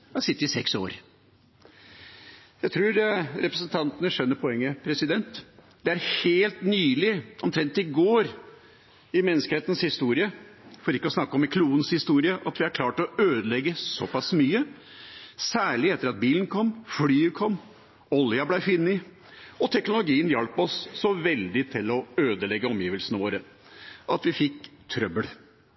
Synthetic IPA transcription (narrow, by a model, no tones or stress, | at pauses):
ɑsɪst̪ɪsɛkso̰ːɾ | jæɪt̪ʰɾuːɾɾɛpɾəsənt̪ʰɑnt̪ənəʂœnːəɾpʰɔɛŋːəpʰɾɛsɪd̪ɛnt̪ | d̪̥ɛæɾheːlt̪nyːlɪʔɔmt̪ʰɾɛnt̪ɪɡoːɾ | ɪmɛnːəskəheːt̪ən̩shɪst̪uːɾɪəfɔɾɪkːəɔsnɑkːɔmɪkʰluːənshɪst̪uːɾɪəʔɑt̪ʋɪæɾkʰlɑːʈɔøːd̪əlɛɡːəsɔpʰɑsmyːə | sæːɭɪɛt̪ːəɾɑt̪̚biːlən̩kʰɔmːflyːəkʰɔmː | ɔljɑblæɪfɪnːɪ | ɔt̪ʰɛknʊlʊɡiːənjɑlpɔsːɔʋɛld̪ɪt̪ʰɪlɔøːd̪əlɛɡːəɔmjiːʋəlsənəʋoːɾə | ʔɑt̪ʋɪfɪkt̪ʰɾœbəl